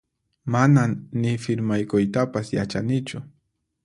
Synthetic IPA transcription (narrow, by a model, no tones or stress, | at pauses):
manamnɪfɪɾmajkʊjt̪apasjat͡ʃanɪt͡ʃʊ